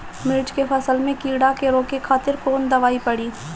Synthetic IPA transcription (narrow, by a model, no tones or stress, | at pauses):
mɪlt͡ʃkefʰɐsəlmẽkiːɽakeɾoːkekʰaːt̪ɪɾkoːnd̪ɐʋaːipɐɽiː